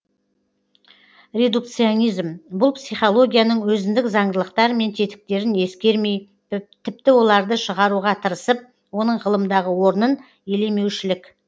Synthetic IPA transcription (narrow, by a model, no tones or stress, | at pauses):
rʲe̞d̪ukt̪sio̞nijzmbʊlˠpsijχo̞lˠo̞ɡʲijanəɴwɵzɪnd̪ɪkzɑɴd̪əlˠəq̚t̪ɑɾəme̞nt̪ʰe̞t̪ɪ̥k̚t̪e̞ɾɪne̞skʲe̞ɾme̞j | t̪ʰɪpt̪ɪwo̞lˠɑɾd̪əʃəʁɑɾuʁɑt̪ʰəɾəsəp̚ | wo̞nəɴʁəlˠəmd̪ɑʁəwo̞ɾənən | e̞le̞me̞wʃɪlɪkʲ